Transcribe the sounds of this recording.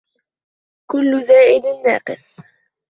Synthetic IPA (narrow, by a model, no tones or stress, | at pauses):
kʊlːʊðaːʔɪd̪ɪnːa̰ːqɨs